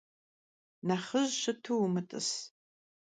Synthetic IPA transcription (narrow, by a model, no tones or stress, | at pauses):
naχəʒʃɨtʰuwmɨtʼɨ̰s